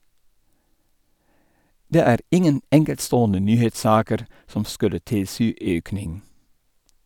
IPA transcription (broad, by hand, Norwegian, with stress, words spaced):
ˈdeː ˈæːɾ ˈɪŋən ˈɛŋkɛltˌstoːɔnə ˈnyːheːtˌsɑːkəɾ ˈsɔm ˈskʉlə ˈtɪlˌsyː ˈøːknɪŋ